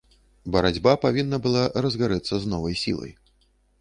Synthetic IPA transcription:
bɐɾad͡zʲbapavʲinːɐbɨlˠarɐzɣaɾɛt̪sːɐznɔvɐjsʲḭlˠɐ̰j

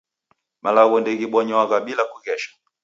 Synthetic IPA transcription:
mʔalaɣɔndɛɣiɓɔɲɔwaɣaɓilakuɣɛʃḁ

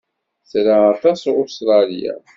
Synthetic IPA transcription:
θɾaat̪ɑsʊst̪ɾˤɑlija̰

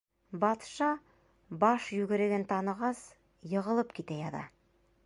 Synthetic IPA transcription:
bɑt̪ʃɑ | bɑʃjʉɡɘ̆ɾɘ̆ɡɘnt̪ɑnɤ̆ʁɑs | jɤ̆ʁɤ̆lˠɤpkit̪æjɑðɑ̰

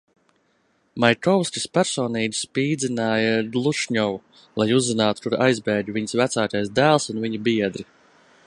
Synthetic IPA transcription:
majkɔwsʲkʲispæɾsɔːniːɡʲi̥spiːd̪zʲinaːjaɡlˠuʃɲɔvu | lˠajuzːinaːt̪u̥t̪uɾa̰jzbɛːdʲuvʲiɲsvæt̪saːkajsd̪æːlˠsunviɲubiɛd̪ɾi

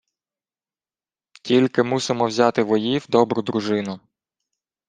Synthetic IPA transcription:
tʲilʲkɪmusɪmɔwzʲɑt̪ɪʋɔjiwd̪ɔbɾʊd̪ɾʊʒɪnʊ

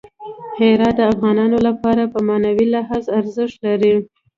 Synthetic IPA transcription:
heɾɑd̪̚d̪əafɣɑnɑnolapɑɾapəmɑnawilaɦɑzaɾzəʃt̪laɾi

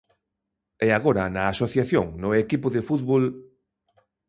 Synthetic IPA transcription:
ɛaɣoɾɐnɐːsoθjaθjoŋnʊekipʊðefut̪βol

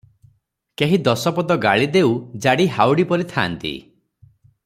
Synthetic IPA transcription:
keɦid̪ɔsɔpɔd̪ɔɡaɭid̪eud͡ʒaɽiɦawɽipɔɾit̪ʰa̰ːnt̪ḭ

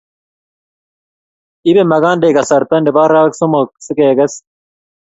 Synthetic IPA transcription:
ibemɐɡaːnɖeːɡɐsɐɾt̪ɐnɖebaːɾaːksumok̚sɨkeːɡɐs

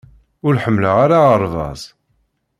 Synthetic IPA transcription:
ʊɾħəmːləʁaɾaəɾˤvɑ̰zˤ

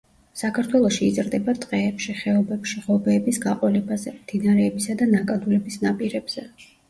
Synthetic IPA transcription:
sakʰaɾt̪ʰwɛlˠɔʃiːt̪sʼɾd̪ɛbat̪ʼqʼɛːpʃiχɛɔbɛpʃiʁɔbɛːbisɡaqʼwɛlɛbazɛmd̪̥inaɾɛːbisad̪anakʼad̪ulɛbisnapʼiɾɛbz̥ɛ

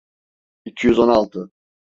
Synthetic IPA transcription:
icʰijyzo̞nalˠt̪ʰɯ

